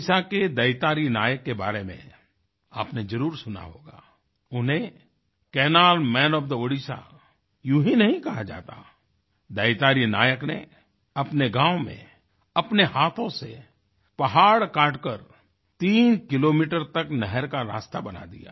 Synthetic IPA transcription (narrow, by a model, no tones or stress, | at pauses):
saked̪ɐɪt̪aːɾinaːjəkːeba̰ːɾemḛ̃ | aːpned͡ʒɐɾuːɾsʊna̰ɦoːɡa̰ː | ʊnɦẽ | kɛːnaːlmɛ̃ːnɔbd̪əoɽiʃa̰ | juɦĩnɐɦĩkɐɦad͡ʒa̰ːt̪a̰ː | d̪ɐɪt̪aːɾinaːjəkne | ɐpneɡãːwmḛ̃ | ɐpnehaːt̪ʰõse | pɐɦaːɽkaːʈkəɾ | t̪iːnkɪloːmiːʈəɾt̪ɐknɛɦəɾkaɾa̰ːst̪abɐna̰d̪ḭja̰ː